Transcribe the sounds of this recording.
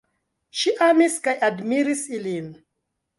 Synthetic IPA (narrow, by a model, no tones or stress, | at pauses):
ʃiʔamiskajadmiɾisilin